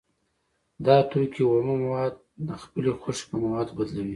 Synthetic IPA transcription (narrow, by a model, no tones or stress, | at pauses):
d̪ɑt̪okʰiwomamawɑd̪̚ːəxpəlexoʂpəmawɑd̪bad̪lawi